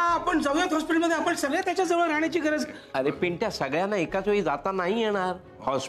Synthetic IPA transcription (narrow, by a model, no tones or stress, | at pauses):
ɦãːpəɳd͡zəʋljat̪ɦɔspiʈəɭməd̪ʱːjeapəɳsəɡɭjat̪jat͡ɕjad͡zəʋɭəɾaɽjat͡ɕiːɡʱəɾəd͡z | əɾepeɳʈjasəɡɭjanːaekat͡soiːd͡zat̪anaɦijeɽ̃aɾ | hɔs